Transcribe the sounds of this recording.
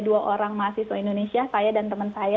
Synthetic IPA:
duaʔoɾaŋmasihsoindonesiasajadant̪əmənsaja

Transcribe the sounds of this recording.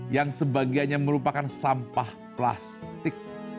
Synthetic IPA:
jaŋsəbaɡianɲaməɾupakansampah | pla̰st̪ɪk̚

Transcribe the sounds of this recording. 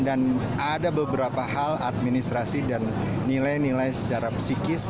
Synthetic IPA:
dan | adabəbəɾapaɦalat̪̚minist̪ɾasidanː | ilajnilajsə̥t͡ʃaɾapə̥sikɪs

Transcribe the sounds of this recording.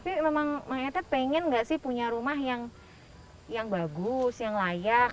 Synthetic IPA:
apimemaŋmaŋat̪apeŋɛnŋɡaʔsɪhpuɲaɾumahjaŋ | jaŋbaɡʊsjaŋlajak̚

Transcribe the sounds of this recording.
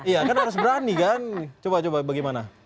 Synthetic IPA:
ijakanɦaɾʊs̬bəɾanikant͡ʃobat͡ʃobabaɡajmana

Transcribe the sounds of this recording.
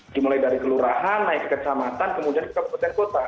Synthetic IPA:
dimulajdaɾikəluɾaɦanːaɪkkət͡ʃamat̪ankəmudianki̥t̪abəkut̪ankot̪a

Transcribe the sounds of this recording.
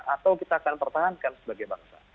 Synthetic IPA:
ʔat̪awkit̪aːkanpərt̪aɦankansəbaɡajba̰rsa̰

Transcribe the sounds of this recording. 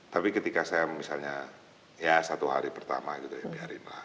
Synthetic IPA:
t̪apikət̪ikasajamisalɲa | jasat̪uɦa̰ɾipərt̪a̰maɡit̪ujabiaɾɪ̰nla̰h

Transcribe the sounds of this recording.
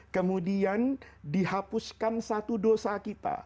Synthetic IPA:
kəmudiandihapʊskansat̪udosakit̪a̰

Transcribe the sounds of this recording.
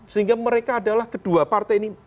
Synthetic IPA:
siŋɡaməɾekaːdalahkəd̥uapart̪ajni

